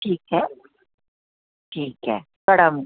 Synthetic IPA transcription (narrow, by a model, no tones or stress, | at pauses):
ʈʰiːkɦɛ | ʈʰiːkɦɛ̰ː | kɐɽəm